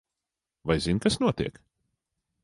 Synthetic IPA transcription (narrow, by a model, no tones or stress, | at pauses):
vajzinkasnuɔt̪iɛk